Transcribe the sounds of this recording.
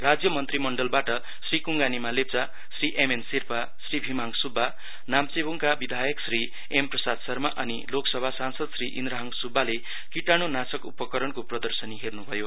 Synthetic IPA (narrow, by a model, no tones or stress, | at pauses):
rad͡zjʌmʌnt̪rimʌɳɖʌlbaʈʌ | srikuŋɡanimalep̚t͡sa | sriʔemensirpa | sribʱimaŋsubʱːa | namt͡sebuŋkabid̪ʱajʌksri | emprʌsad̪sʌrmaʔʌniloksʌbʱasansʌd̪sriʔḭnd̪ɾaɦʌŋsubʱːale | kiʈañonasʌkupʌkʌɾʌnkoprʌd̪ʌrsʌniɦernubʱʌjo